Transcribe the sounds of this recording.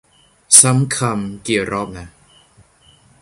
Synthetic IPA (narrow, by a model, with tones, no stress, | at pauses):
sa˦˥mkʰa˧mki˨˩əwɾʔɔː˥˩p̚na˦˥